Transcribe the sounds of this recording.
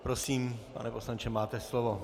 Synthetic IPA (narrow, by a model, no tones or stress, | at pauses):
pɾosiːmpa̰nɛposlaɲt͡ʃɛmaːt̪ɛslovo